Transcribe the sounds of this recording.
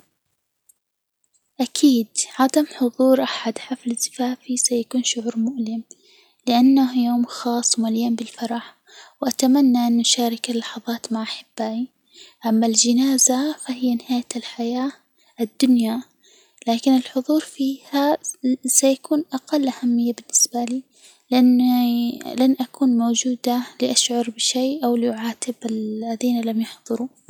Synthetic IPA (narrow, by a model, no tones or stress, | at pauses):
ʔakʰiːd̪ʕad̪amħʊðˤuːɾʔaħad̪ħaflɪzɪfaːfisajakuːnʃʊʕuːɾmʊʔlɪm | lɪʔanːahjoːmxɑːsˤːmalɪjambɪlfɑɾˤɑħ | wʔat̪amanːaʔanːʔʊʃaːɾˤɪkalːɑħɑðˤɑːt̪maʕʔaħɪbːaːji | ʔamːald͡ʒɪnaːzafahɪjːanɪhaːjalħajaː | ɪd̪ːʊnja | laːkɪnɪlħʊðˤuːɾfiːhasajakuːnʔaqɑlːʔahamːɪjːabɪnːɪsbaliː | lʔanː | lanʔakuːnmoːd͡ʒuːd̪alɪʔaʃʕʊɾˤbɪʃeːʔawliʔʊʕaːt̪ɪbalaðiːnalamjʊħðˤɨɾu